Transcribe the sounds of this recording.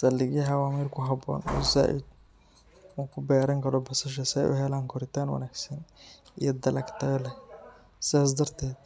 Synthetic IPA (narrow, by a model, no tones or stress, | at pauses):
sɐlːɪɣɐɦɐwaːmiːrkʰʊɦɐbɔ̰ːnɔ̰za̰ːʔɪ̰d̪̚ | uːŋkʰʊbɛːɾɐŋkɐɾɔbɐsɐʃ̬ɐsɛjʔʊ̰ɦɛlaːŋkʰʊɾɪt̪aːnwɐ̰naːɡsɐn | ijɐd̪ɐlɐkt̪ɐɛlɛ | sɪðaːs̬d̪ɐrt̪ʰɛːd̪̥̚